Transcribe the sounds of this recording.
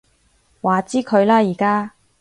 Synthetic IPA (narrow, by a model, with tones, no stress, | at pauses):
waː˨t͡siː˥kʰɵ˨˧ɥlaː˥jiː˨˩kaː˥